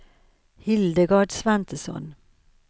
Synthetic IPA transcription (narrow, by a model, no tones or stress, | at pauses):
hɪld̪əɡɑːɖsvant̪əsɔ̰n